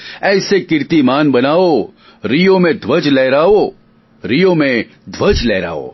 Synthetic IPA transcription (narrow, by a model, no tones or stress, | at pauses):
ɛːsekɪɾt̪imaːnbɐnaːo | ɾijõmẽd̪ʱʋɐd͡ʒlɛːɾaːo | ɾijõmẽ | d̪ʱʋəd͡ʒlɛːɾa̰ːo̰ː